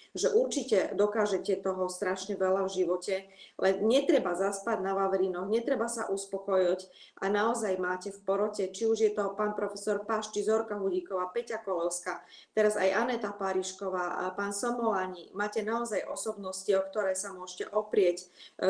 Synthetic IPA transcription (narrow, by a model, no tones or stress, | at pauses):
ʒɛʔuɾt͡ʃicɛd̪ɔkaːʒɛcɛt̪ɔɦɔst̪ɾaʃɲɛʋɛlavʒiʋɔcɛlɛnɲɛt̪ɾɛbazaspaɟnaʋaʋɛɾinɔxɲɛt̪ɾɛbasa̰ʔuspɔkɔjɔc | ʔanaɔzajmaːcɛfpɔɾɔcɛt͡ʃiuʒjɛt̪ɔpaːnpɾɔfɛsɔɾpaʃt͡ʃizɔɾkaɦuɟikɔʋaːpɛcakɔlɔlska | t̪ɛɾaza̰jʔanɛt̪apaɾiʃkɔʋaːpaːnsɔmɔlaɲimaːcɛnaɔzajʔɔsɔbnɔsciɔkt̪ɔɾɛːsamʊɔʃcɛʔɔpɾɪɛc